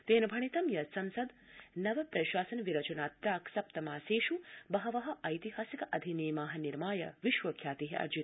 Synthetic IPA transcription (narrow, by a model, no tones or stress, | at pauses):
t̪eːnɐbʱɐɳ̃it̪ɐmjɐsɐmsɐd̪ | nɐʋɐpɾɐʃaːsɐnʋiɾɐt͡ʃɐnaːt̪ːɾaːksɐpt̪ɐmaːseːʃubɐɦɐʋɐɦɐ̆ʔɐjt̪iɦaːsikɐʔɐd̪ʱiniːmaːɦɐ̆niɾmaːjɐ̰ʋiʃʋɐkʰjaːt̪iɦiɐ̰ɾd͡ʒit̪